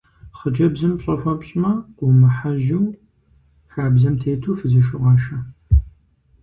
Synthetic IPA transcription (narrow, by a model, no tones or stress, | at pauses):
χət͡ʃʼɐbzɐmpɕʼɐfʷɐpɕʼmɐqʷʼʊmɨħaʒɪw | xaːbzɐmtʰeːtʰuːfɨziʃɪʁɑːʃɐ